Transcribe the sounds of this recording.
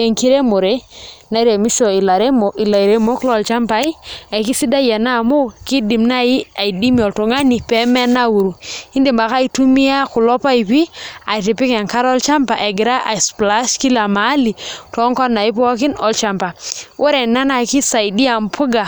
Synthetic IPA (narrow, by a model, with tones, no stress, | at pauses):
e˨ŋki˦ɾe˦mo˨ɾe˦na˨˦ɾe˨mi˦ʃɔ˨i˨la˨ɾe˦mo˨ʔi˨la˨i˨ɾe˨˦mo˦klɔ˦˨lt͡ʃa˦mpa˨˦i˦a˨ki˦si˦da˦ja˨na˦˨mo˦ki˦di˨mna˦ji˦a˨i˨di˦mi˨ɔ˨ltu˨ŋa˦ni˨pɛ˨˦mɛ˦na˦wu˨ɾu˨i˦ndi˨mba˨ka˦i˦tu˦mi˦a˦ku˨lɔ˦pa˦i˨pi˦a˨i˨ti˨pi˦kɛ˨ŋka˦ɾɔ˦lt͡ʃa˦mpa˨ʔɛ˨ɡɪ˨ɾa˦ʔa˨spla˦ʃki˦la˨ma˨˦li˨tɔ˦ŋkɔ˦na˨i˦p̬ɔ˦k̬i˦nɔ˨lt͡ʃa˦mpa˨wʔɛ˦ɾɛ˨nːa˦na˨ki˦sa˨jdi˦a˨mpʰu˦ɡa˨